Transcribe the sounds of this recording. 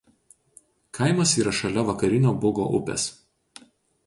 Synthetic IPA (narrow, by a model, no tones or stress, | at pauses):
kʰɐɪmɐsiːɾɐʃɐlʲɛʋɐkɐɾʲɪnʲoːbʊɡo̰ːʔʊ̰pʲɛ̰s